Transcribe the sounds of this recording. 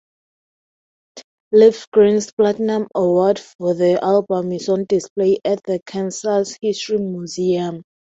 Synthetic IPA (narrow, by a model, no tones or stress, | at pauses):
lifɡ̥ɹĩnsplatnãməwɔdfɔðiʔalbə̃misɔ̃ndispleʔat̚ðəkʰãnsashistɹimjuziãm